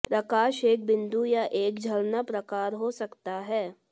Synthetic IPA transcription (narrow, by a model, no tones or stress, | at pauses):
pɾɐkaːʃeːk̚bɪ̃nd̪ujaʔeːkd͡ʒʱɐlnapɾɐkaːɾɦosɐkt̪aɦɛː